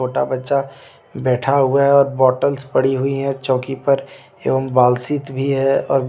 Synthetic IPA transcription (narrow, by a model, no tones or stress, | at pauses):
oːʈabɐtːʃa | bɛːʈʰaɦʊaɦɛɔːɾbɔːʈəlspɐɽ̤iɦʊiɦɛ̃t͡ʃɔ̃ːkipɐɾ | ḛːʋəmbaːlsɪt̪bʱiɦɛɔ̰ːɾ